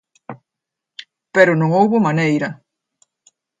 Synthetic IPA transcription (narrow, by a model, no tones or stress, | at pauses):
peɾʊnõŋowβomanejɾɐ